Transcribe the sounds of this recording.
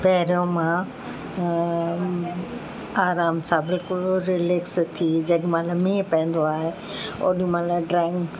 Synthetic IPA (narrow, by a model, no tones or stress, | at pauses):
pɐɦɾijõmã | aːɾaːmsãːbɪlkʊlɾɪlekst̪ʰid͡ʑɐɠmãːlamĩːpɐ̃ɦɪ̃nd̪oaːɦe | o̰ːɗĩmãlaɖɾɛ̃ːŋɡ